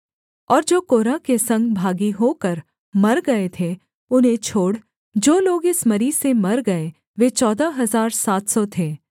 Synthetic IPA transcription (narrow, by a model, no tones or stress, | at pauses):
ɔːɾd͡ʒoːkoːɾakesɐ̃ŋɡbʱaːɡiɦoːkɐɾ | mɐɾɡɐet̪ʰe | ʊnɦẽt͡ʃʰoːɽ | d͡ʒoːloːɡɪsmɐɾisemɐɾɡɐe | ʋet͡ʃɔːd̪aɦɐzaːɾsaːt̪sɔt̪ʰeː